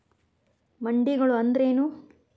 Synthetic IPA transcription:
mɐɳɖiɡɐɭuɐnd̪ɐɾe̞ːnu

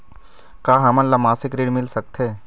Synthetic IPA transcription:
kaːɦɐmənlɐmaːsɪkɾeːɖmɪlsɐk̚t̪ɦeː

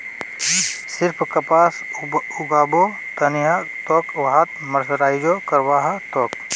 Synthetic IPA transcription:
sɪɾpʰkɐpaːsʊɡaːbo | t̪ɐniɦat̪ɔːkʋɐɦat̪mɐɾsɾaːjd͡ʒokɐɾwaːɦat̪ɔːk

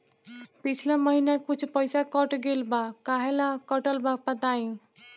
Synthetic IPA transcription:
pit͡ʃʰlaməɦinakut͡ʃʰpəjsakɔʈɡelbakaɦelakɔʈəlbapət̪aĩ

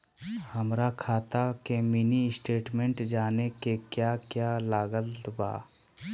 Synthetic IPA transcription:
həmɾakʰaːt̪akeminisʈeːʈmẽɳʈd͡ʒaːnekekjaːkjalaːɡəlt̪ba̰ː

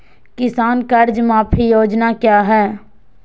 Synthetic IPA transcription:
kɪsaːnkəɾd͡ʒmãːpʰijoːd͡ʒnakjaːɦɛː

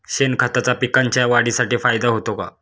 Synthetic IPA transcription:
ɕenkʰat̪at͡sapikaɲt͡ɕjaʋaɽisaʈiːfajd̪aɦot̪oka̰

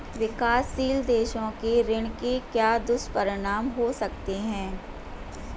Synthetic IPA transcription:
ʋɪkaːsːiːld̪eːʃõkeɾɪɳ̃kekjaːd̪ʊspɐɾɪɽ̃aːmɦosɐk̚t̪eɦɛ̃ː

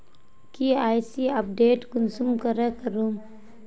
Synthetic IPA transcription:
kiaːjsiɐp̚ɖeːʈɡʊnsumkəɾekəɾuːm

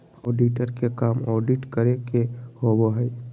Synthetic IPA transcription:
ɔːɖiʈəɾkekaːmɔːɖiʈkəɾekehoboɦəi

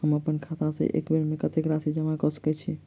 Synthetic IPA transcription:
ɦəməpənkʰat̪ãsḛʔḛkbeɾmekət̪ekɾasid͡ʒəmakɔsə̥kɛt͡ʃʰi

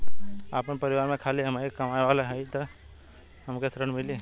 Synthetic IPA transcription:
apnpɐɾɪʋaːɾmẽkʰaːliɦɐmaɾkɐmaːeʋaːlaɦɛit̪o | hɐmkesɾəɳmɪlie

